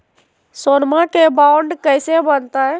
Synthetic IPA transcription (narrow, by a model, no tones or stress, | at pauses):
sonmãkebaʊɳɖkəjsebənt̪aɦɛ